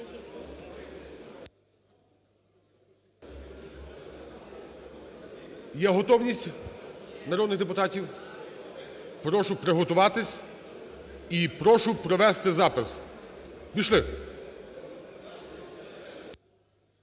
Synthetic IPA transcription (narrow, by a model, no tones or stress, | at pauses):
jɛɦɔt̪ɔwnʲisʲtʲ | nɐɾɔd̪nɪɣd̪epʊt̪ɑtʲiw | pɾɔʃʊpɾɪɦɔt̪ʊʋɑt̪ɪsʲ | ipɾɔʃʊpɾɔʋɛst̪ɪzɑpɪs | bʲiʃlˠɪ